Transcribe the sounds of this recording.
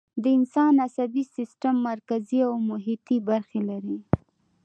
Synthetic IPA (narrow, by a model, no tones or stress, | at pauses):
d̪əɪnsɑnasabisɪsʈamːaɾkaziawmʊɦit̪ibaɾxelaɾi